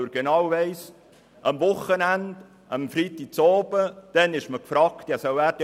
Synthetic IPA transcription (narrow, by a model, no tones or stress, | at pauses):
əɾɡ̥enɑwvɛɪs | ʔɑmvʊχənænd̥ | əmfɾiːt̪ik̚t͡sɔːb̥əd̥ɛnɪʃməkfɾɑːkt̪jɑsœwæːɾd